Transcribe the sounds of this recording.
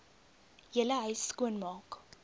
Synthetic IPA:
jələɦœɥsːkuənmɑːk

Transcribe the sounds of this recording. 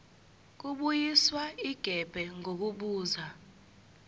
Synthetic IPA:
k̬uɓujiswaiɡ̥ʱɛb̥ʱɛŋok̬uɓuːza

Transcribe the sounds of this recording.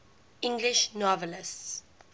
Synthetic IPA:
ɪ̃ŋɡliʃnɔvəlɪsts

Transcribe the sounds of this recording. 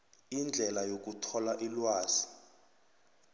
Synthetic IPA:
ind͡ɮʱɛlajok̬utʰɔlaʔilwaːz̥i

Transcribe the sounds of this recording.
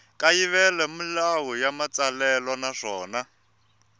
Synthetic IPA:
kʼajiβɛlɛmilawujamat͡salɛlɔnaʂɔːna

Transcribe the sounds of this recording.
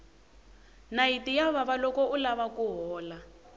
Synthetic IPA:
naitijaβaβalɔkɔulaβakuɦɔːla

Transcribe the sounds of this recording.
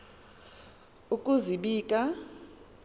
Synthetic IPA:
ukʼuziɓiːkʼa

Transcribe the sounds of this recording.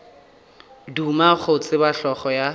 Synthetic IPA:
dumak͡xʰʊt͡sʼɪbaɬɔχɔja

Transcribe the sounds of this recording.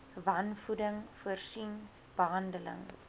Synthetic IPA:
vɐnfudəŋfərsin | b̥əɦɐndələ̰ŋ

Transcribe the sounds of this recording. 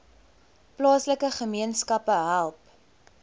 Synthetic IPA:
plɑːsləkəχəmiənskɐpəɦælˠp

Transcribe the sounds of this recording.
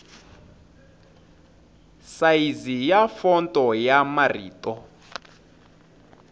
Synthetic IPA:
saizijafɔntʼɔjamarḭːtɔ

